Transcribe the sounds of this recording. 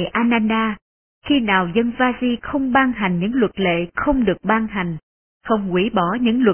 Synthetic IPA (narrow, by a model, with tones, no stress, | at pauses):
ʔaː˧naː˧naː˧ | xi˧naː˨˩wzə˧nvaː˧zi˧xə˧wŋ͡mɓaː˧ŋɦa˨˩jŋ̟ɲɨ̰˧˥ŋlwə˨˩t̚lḛ˧˨xə˧wŋ͡mɗɨ˨˩ək̚ɓaː˧ŋɦa˨˩jŋ̟ | xə˧wŋ͡mkwi˧˦ɓɔ˧˩ɲɨ̰˧˥ŋlwə˨˩